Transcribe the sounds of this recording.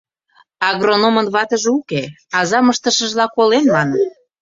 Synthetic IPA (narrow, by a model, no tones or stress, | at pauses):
ɑɣronomənβɑt̪əʒeuke | ɑzɑməʃt̪əʃə̆ʒlɑkolenmɑn